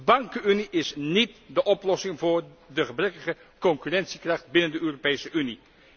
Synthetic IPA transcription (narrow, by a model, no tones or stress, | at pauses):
əbɑŋkəyniʔɪsnitdəʔɔplɔsɪŋvʊːɹ | dəχəbrɛkəχə | kɔŋkyrɛntsikrɑχt̚bɪnəndəʔøːropejsəʔyni